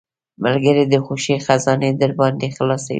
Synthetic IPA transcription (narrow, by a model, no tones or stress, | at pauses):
malɡəɾed̪əxoʃexazɑned̪əɾbɑnd̪exlɑsa̰